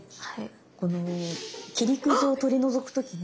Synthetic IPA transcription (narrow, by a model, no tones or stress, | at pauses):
a | ko̞no̞kʲiɾʲikɯ̟ʑiot̪o̞ɾʲino̞zo̞kɯ̟̥t̪o̞kʲiɲ